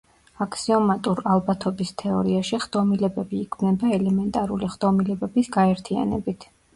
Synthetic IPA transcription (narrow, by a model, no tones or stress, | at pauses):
akʰsiɔmat̪ʼuɾalˠbat̪ʰɔbist̪ʰɛɔ̰ɾiaʃiχd̪̥ɔmilɛbɛbiːkʰmnɛbaɛlɛmɛnt̪ʼaɾuliχd̪ɔmilɛbɛbisɡaɛɾt̪ʰia̰nɛ̰bit̪ʰ